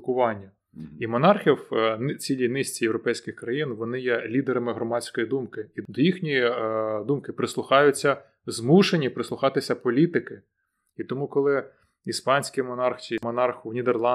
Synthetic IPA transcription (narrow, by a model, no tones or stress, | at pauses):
kʊʋɑnʲːɐ | imɔnɑrxʲiwnt͡sʲilʲinɪsʲt͡sʲijewɾɔpɛjsʲkɪxkɾɐjinʋɔnɪjɛlʲid̪eɾɐmɪɦɾɔmɑt͡sʲsʲkɔjid̪umkɪid̪ɔjixnʲijid̪umkɪpɾɪslˠʊxɑjʊt͡sʲːɐ | zmuʃenʲipɾɪslˠʊxɑt̪ɪsʲɐpɔlʲit̪ɪkɪ | it̪ɔmukɔlˠɪ | ispɑnʲsʲkʲɪjmɔnɑrxt͡sʲimɔnɑrxwnʲid̪erlˠɑ